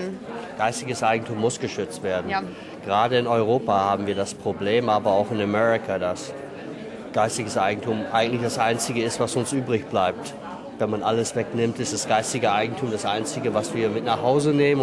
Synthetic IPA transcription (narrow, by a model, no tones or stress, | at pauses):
ɡ̥aɪstɪɡəsʔaɪɡŋ̩tʰuːmːʊsɡ̥əʃʏt͡stv̥eːɐdn̩ | ɡ̥əʁaːdəɪnɔʏʁoːpahaːbm̩viːɐdaspʁ̥obleːmaːbɐaʊxɪnamɛʁɪkʰadas | ɡ̥aɪstɪɡəsʔaɪɡŋ̩tʰuːmʔa̰ɪɡŋ̩tlɪçd̥asʔaɪnt͡sɪɡəɪstv̥asʊnsʔyːbʁɪçb̥laɪp̚t | vɛnmanʔaləsv̥ɛknɪmtɪstd̥asɡ̥aɪstɪɡəaɪɡŋ̩tʰuːmdasʔaɪnt͡sɪɡəvasv̥iːɐmɪtnaχhaʊzəneːmə